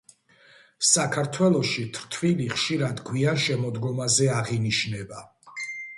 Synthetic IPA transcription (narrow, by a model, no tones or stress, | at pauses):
sakʰaɾt̪ʰwɛlˠɔʃit̪ʰɾt̪ʰviliχʃiɾad̪ɡwianʃɛmɔd̪ɡɔmazɛaʁiniʃnɛba